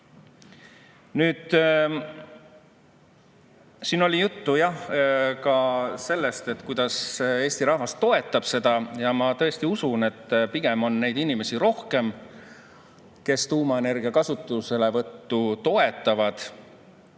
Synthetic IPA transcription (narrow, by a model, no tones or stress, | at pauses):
nyːd̪̥ | siːno̞lʲijut̪ːujɑhkɑse̞lːe̞st̪e̞t̪ːˑkujd̪̥ɑse̞ːst̪iɾɑhvɑst̪o̞e̞t̪ːˑɑb̥se̞d̪̥ɑjɑmɑt̪ɤ̞est̪iusune̞t̪ːpiɡ̥e̞mo̞nːe̞jd̪̥inime̞siɾo̞hke̞m | ke̞st̪uːmɑene̞rɡ̥iɑkɑsut̪ːˑuse̞le̞vɤt̪ːut̪o̞e̞t̪ːˑɑvɑd̪̥